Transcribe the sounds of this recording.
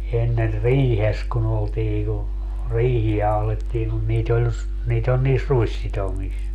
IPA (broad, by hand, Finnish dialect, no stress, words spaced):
enːer riːhes kun oltiː ku riːhiæ ɑhletːiːŋ kun niːt ol s niːt ol niːs ruisːitomis